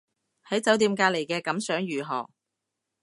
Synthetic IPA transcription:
hɐ˨˥jt͡sɐ˨˥wt̪iː˧mkaː˧le˨˩jkɛː˧kɐ˨˥msœː˨˥ŋjyː˨˩ɦɔː˨˩ŋ

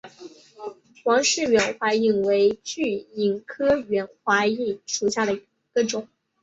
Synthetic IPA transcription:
xwɑ˧˥ŋʂɻ̩˥˩ɥɛ˧˥nxwa˧˥i˨˩ŋwe˧˥ɪt͡ɕy˥˩i˨˩nkʰɤ˥ɥɛ˧˥nxwa˧˥i˥˩ʂu˨˩ɕja˥˩d̪ə˩ | ɡ̥ə˧ʈ͡ʂʊ˨˩˦ŋ

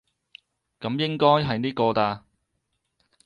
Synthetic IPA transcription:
kɐ˨˥mjɪ˥ŋkɔː˥jɦɐ˨jniː˥kɔː˧taː˧

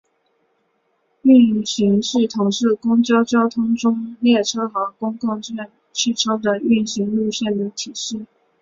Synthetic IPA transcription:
y˥˩nɕi˧˥ŋʂɻ̩˥˩t̪ʰʊ˧˥ŋʂɻ̩˥˩kʊ˥ŋt͡ɕjɑ˥ʊt͡ɕjɑ˥ʊt̪ʰʊ˥ŋʈ͡ʂʊ˥ŋljɛ˥˩ʈ͡ʂʰɤ˥xɤ˧˥ʊkʊ˥ŋkʊ˥˧ŋɕɛ˥˧˩n | t͡ɕʰy˥˩ʈ͡ʂʰo˥d̪ə˨y˥˩nɕi˧˥ŋlu˥˧ɕjɛ˥˩nd̪ə˩t̪ʰi˨˩ʂɻ̩˥˩

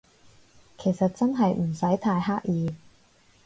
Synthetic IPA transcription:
kʰe˨˩jsɐ˨t̚t͡sɐ˥nɦɐ˨jm̩˨˩sɐ˨˥jt̪ʰaː˧jɦaː˥k̚jiː˨˧

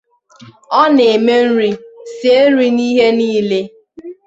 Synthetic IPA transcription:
ɔ˦ne˨me˦n̩˦ɾi˦se˦ɾi˦ni˦ɦe˦niː˦le˦

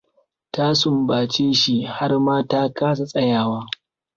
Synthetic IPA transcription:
taː˦sʊ˨mbaː˨t͡ʃeː˦ʃi˦ha˦rmaː˦taː˦kaː˦s̬a˨sʼɐ˦jaː˨waː˦

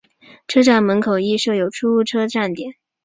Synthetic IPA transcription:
ʈ͡ʂʰɤ˥ʈ͡ʂa˥˩nmə˧˥nkʰo˨˩ʊi˥˧ʂɤ˥˩jo˨˩ʊʈ͡ʂʰu˥u˥˩ʈ͡ʂʰɤ˥ʈ͡ʂa˥˩nt̪jɛ˨˩˦n

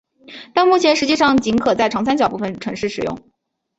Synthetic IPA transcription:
t̪a˥˧nmu˥˩t͡ɕʰjɛ˧˥nʂɻ̩˧˥t͡ɕi˥˧ʂɑ˥˩ŋt͡ɕi˧˥ŋkʰɤ˨˩t͡sa˥˩ɪʈ͡ʂʰɑ˧˥ŋsa˥nt͡ɕjɑ˨˩ʊpu˥˩ə˨˩nʈ͡ʂʰɤ˧˥ŋʂɻ̩˥˩ʂɻ̩˨˩jʊ̰˥˩ŋ

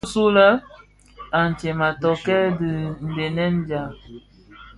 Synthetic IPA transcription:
su˦lə˦ | a˨n̩˨t͡ʃɛ˨ma˨tɔ˨kɛ˦də˨n̩˨de˨nɛ˦n˦d͡ʒa˨

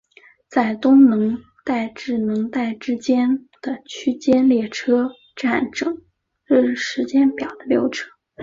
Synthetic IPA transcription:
t͡sa˥˩ɪt̪ʊ˥ŋnɤ˧˥ŋ | t̪a˥˩˧ɪʈ͡ʂɻ̩˥˩nɤ˧˥ŋt̪a˥˩ɪʈ͡ʂɻ̩˥t͡ɕjɛ˥n | d̪̥ə˨˩t͡ɕʰy˥t͡ɕjɛ˥nljɛ˥˩ʈ͡ʂʰɤ˥ | ʈ͡ʂa˥˩nʈ͡ʂɤ˨˩˦ŋ̩˥˩˧ | ʂɻ̩˧˥t͡ɕjɛ˥npjɑ˨˩ʊd̪̥ə˦ljo˧˥ʊʈ͡ʂʰɤ˥

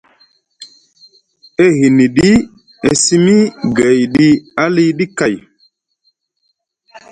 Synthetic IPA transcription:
e˦ɦi˨ni˨ɗi˦ | e˨si˦mi˦ɡe˨jɗi˦a˦li˦ɗi˦ka˨j

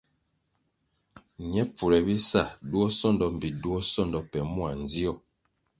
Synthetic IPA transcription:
ɲɛ˦p͡fu˨ɾɛ˨bi˦sa˦˨du˦ɔ˦sɔ˦˨ndɔ˨m̩˨bi˨du˦ɔ˦sɔ˦ndɔ˨pɛ˨mu˦a˨n˨d͡zi˦ɔ˦˨

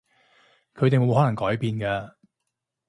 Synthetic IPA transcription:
kʰɵ˨˧ɥt̪e˨jmo˨˧˥whɔː˨˥nɐ˨˩ŋkɔː˨˥jpiː˨˧nkɐː˧

